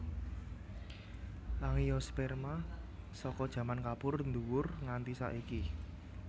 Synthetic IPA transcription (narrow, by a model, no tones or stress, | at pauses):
ʔaŋijɔspɛrmasɔkɔd̥ʒ̥ä̤mankapʊrnd̪uwʊrŋant̪isa̰ʔiki